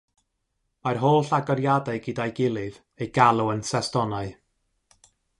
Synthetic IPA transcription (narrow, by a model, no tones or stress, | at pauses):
marɦoːlˠɬaɡɔɾjadaɨɡidajɡɪlˠɨv | ejɡ̥alˠuənsɛstɔnaɨ